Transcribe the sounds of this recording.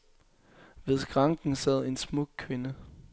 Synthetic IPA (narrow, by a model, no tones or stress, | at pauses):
ʋe̝ðˠɡ̥ʁɑ̈ŋɡ̥n̩sɛð̞̰ˠe̝nsmɔ̽ɡ̥̚kʰʋe̝nə